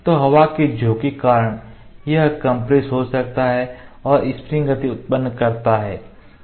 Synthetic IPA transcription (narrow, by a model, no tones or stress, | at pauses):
t̪oːɦɐʋaked͡ʒʱoːkekaːɾəɽ̃ | jɐɦkɐ̃mpɾeːsɦosɐk̚t̪aɦɛɔːɾɪspɾɪ̃ŋɡət̪iʊt̪̚pənːkɐɾt̪aɦɛː